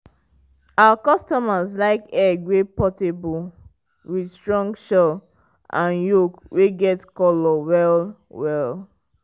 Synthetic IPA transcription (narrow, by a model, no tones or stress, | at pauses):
awakɔstɔmazlaɪkɛɡwepɔsibɔl | widstɹɔ̃ŋɡʃɔ | ʔãnjokwʔeɡɛtkɔlɔwɛl | wɛl